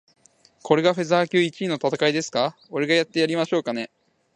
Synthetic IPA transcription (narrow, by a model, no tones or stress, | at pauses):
kʰo̞ɾe̞ɡaɸezaːkʲɨːit͡ɕiːno̞t̪at̪akaid̪e̞sɨ̥ka | o̞ɾe̞ɡajat̪ːe̞jaɾʲimaɕo̞ːkane̞